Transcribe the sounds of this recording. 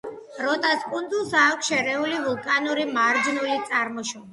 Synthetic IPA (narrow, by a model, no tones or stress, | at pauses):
ɾɔt̪ʼaskʼund̪zulˠsaːkʰʼʃɛɾɛulivulˠkʼanuɾimaɾd͡ʒnulit̪sʼaɾmɔʃɔ